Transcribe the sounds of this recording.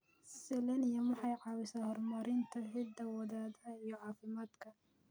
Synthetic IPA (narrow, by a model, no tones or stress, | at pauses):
sɛlɐnɪjɐmwɑħɑjʕɑːwɪsɐhɔrmɐɾɪnt̪ʰɐhɪd̪ɐwɐðaːd̪ɐijɔʕɑːfɪmaːd̪kʰɐ